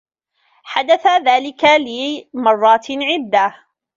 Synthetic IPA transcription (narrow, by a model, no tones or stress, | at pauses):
ħad̪aθaðaːlɪkalɪmɑrˤːɑːt̪ʕɪd̪ːa